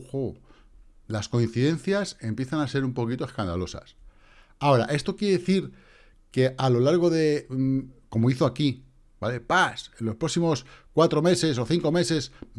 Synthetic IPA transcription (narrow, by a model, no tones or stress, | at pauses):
xo | lasko̞in̟θiðẽ̞nθjase̞mpje̞θanase̞ɾumpo̞kit̪o̞e̞skand̪a̰lo̞sa̰s | ao̞ɾa̰ʔe̞st̪o̞kjee̞eθiɾ | ke̞ʔalo̞laɾɣ̞o̞ðe̞ | ko̞moiθo̞aki | bale̞pasenlo̞spɾo̞ksimo̞skwat̪ɾo̞me̞se̞s̬o̞θiŋko̞me̞se̞s